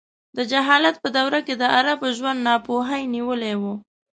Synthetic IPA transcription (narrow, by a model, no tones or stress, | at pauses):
d̪əd͡ʒaɦɑlat̪̚pəd̪awɾaked̪əʔaɾabʒwand̪nɑpoɦajniwəlewu